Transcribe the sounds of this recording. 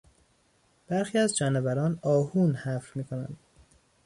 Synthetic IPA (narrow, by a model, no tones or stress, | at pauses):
b̥æɾxiːæzd͡ʒɒːnebæɾɒːnɒːhuːnhæfɾmiːkʰo̞næ̰nd̪̥